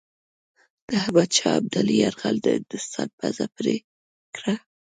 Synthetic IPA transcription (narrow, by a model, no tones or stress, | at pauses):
d̪̥əɦabad̪̚t͡ʃɑab̚d̪aliaɾɣald̪əd̪̥əsɑt̚bazapɾe | kɽa